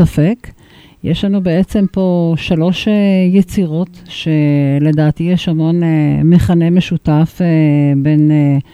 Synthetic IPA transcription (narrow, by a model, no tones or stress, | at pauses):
afe̞k | jeʃlanubeʔet͡se̞mpo̞ʃalo̞ʃejet͡siʁo̞tʃe̞le̞daːt̪ijeʃamo̞nemeχane̞meʃutafbe̞ne